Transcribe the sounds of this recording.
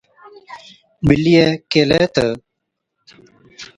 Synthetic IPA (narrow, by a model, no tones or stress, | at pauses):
milijekelet̪ə